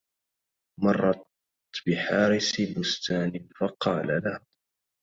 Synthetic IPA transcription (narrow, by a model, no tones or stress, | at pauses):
mɑrˤːɑt | bɪħɑːɾɪsbʊst̪aːnɪfɑqɑːlalah